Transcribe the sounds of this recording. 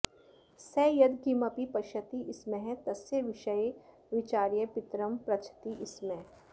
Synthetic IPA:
sɛjɐd̪kimɐpipɐʃət̪iʔɪsmẽɦt̪ɐsjəʋɪʃəe | ʋɪt͡ʃaːɾjəpɪt̪ɾəmpɾɐt͡ʃʰə̥t̪iʔɪsmẽ

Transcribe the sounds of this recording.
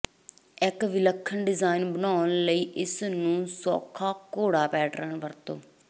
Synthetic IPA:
ɪkʋɪləkʰːənɖɪzaːɪnbənaːənləiːʔɪsnũːsɔ̰ːkʰaːkoːɽaːpɛːʈɾənʋəɾt̪õː

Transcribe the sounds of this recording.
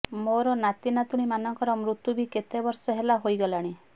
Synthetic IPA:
moɾɔnat̪inat̪uɽ̃imanɔŋkɔɾɔmɾut̪jubiket̪ebɔɾsɔɦelaɦojɡɔlaɽ̃i

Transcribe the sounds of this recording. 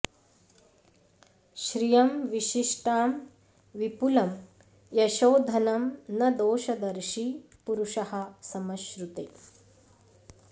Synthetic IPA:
ʃɾijɐmʋiʃiʂʈaːm | ʋipulɐm | jɐʃoːd̪ʱɐnɐmnɐd̪oːʃɐd̪ɐɾʃi | puɾuʃɐhɐ̆sɐmɐʃɾut̪ḛ

